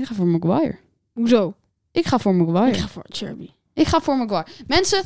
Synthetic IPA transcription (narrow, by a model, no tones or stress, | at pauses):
kχaːfoːɹməɡʋajə̰ɹ | ɦuzow | ʔɪkχaːfʊːɹməɡʋajəaft͡ʃɛ̰ɹbi | ʔɪkχaːfʊːɹməɡʋajəmɛnsə